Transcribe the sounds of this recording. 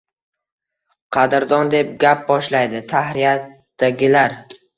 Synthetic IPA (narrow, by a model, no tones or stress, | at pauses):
qʰɑd̪ɪɾd̪ɒnd̪e̞p̚ɡʲap̚bɒʃlajd̪ɪt̪ʰahɾijat̪ | d̪̥aɡʲɪlaɾ